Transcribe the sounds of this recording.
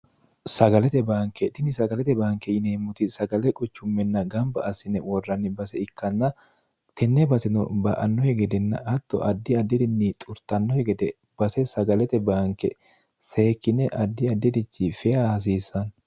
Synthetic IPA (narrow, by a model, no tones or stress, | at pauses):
sɐɡɐlɛt̪ɛbaːŋkɛt̪ɪnɪsɐɡɐlɛt̪ɛbaːŋkɛjɪneːmːʊt̪ɪsɐɡɐlɛkʼʊt͡ʃːʊmːɛnːɐɡɐmbɐ̰ɐsɪnɛwɔrːɐnːɪbɐsɛɪkːɐnːɐ | t̪ɛnːɛbɐsɛnɔbɐʔɐnːɔhɛɡɛd̪ɛnːɐ̰ɐt̪ːɔ̰ʔɐd̪ːɪɐd̪ːɪd̪ɪnːit̪ʼʊɾt̪ɐnːɔhɛɡɛd̪ɛ | b̥ɐsɛsɐɡɐlɛt̪ɛbaːŋkːɛ̰ | se̞ːkːɪnɛʔɐd̪ːɪɐd̪ːɪd̪ɪt͡ʃːɪfɛjahɐs̬iːsːɐn